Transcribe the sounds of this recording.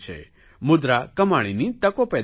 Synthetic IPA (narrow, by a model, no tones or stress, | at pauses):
t͡ʃʰḛ | mʊd̪ɾakəmaɽ̃init̪əkopɛ